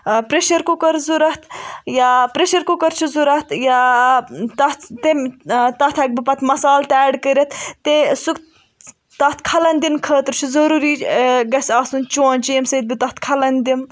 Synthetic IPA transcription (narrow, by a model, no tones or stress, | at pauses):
pɾeʃɐɾkukɐɾzuɾɐht̪ʰjapɾeʃɐɾkukɐɾt͡ʃʰizuɾɐt̪ja | t̪ɐt̪t̪emt̪ɐt̪ʰɐk̚bipɐt̪ʰmɐsaːlt̪ɛːɖkəɾʲɐt̪ʰt̪esuk | t̪ɐht̪kʰɐlɐnʲd̪inkʰəːt̪ɾt͡ʃʰuzɐɾuːɾiːɡɐsaːsunt͡ʃõːnʲt͡ʃiːmsɐd̪̚bit̪ɐt̪ʰkʰɐlɐnd̪im